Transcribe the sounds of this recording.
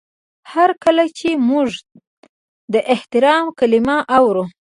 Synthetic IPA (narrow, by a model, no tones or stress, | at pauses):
haɾkəlat͡ʃemuʐ | d̪əʔɪht̪ɪɾɑmkalimaʔawɾu